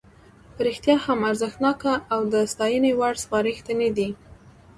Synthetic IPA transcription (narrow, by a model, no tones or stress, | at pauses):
pəɾɪxt̪jɑhamaɾzəxt̪nɑkaʔːwd̪əst̪ɑjənewaɽspɑɾixt̪əned̪i